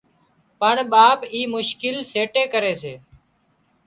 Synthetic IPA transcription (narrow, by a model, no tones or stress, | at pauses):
pəɳɓaːpiːmʊʃkɪlseːʈeːkəɾeːseː